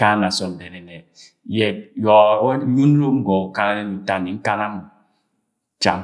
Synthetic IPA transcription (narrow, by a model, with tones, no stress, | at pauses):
a˦na˨sɔ˨n̩˨dɛ˨nɛ˨nɛ˨ | jɛ˨d̚jɔ˨˦u˦n˦ɾo˦m̩˦ɡɔ˨ka˦na˦ne˦ni˨˦ta˦ni˨ŋ̩˦ka˦na˦mu˨˦ | t͡ʃa̰˨m˦